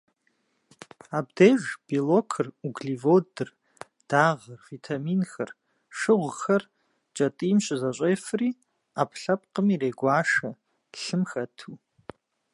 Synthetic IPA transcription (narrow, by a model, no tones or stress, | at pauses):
abdejʒb̥ilokʰɨruɡɮivodɨr | d̥aʁərv̥itʰaminxɨr | ʂɨʁʷxɐr | t͡ʃʼatʼimʃʷazaɕʷʼejfri | apʰɬap̚ʼqʼəmiɾejɡʷaːʂḁ | ɬɨmxatʰu